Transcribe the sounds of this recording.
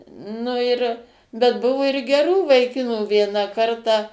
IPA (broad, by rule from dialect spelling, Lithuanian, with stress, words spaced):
ˈnʊ ɪr bʲɛt ˈbʊʋʊ ɪr ɡʲɛˈruː ʋɐɪˈkʲɪnuː ˈʋʲiɛnɐ ˈkɐrtɑː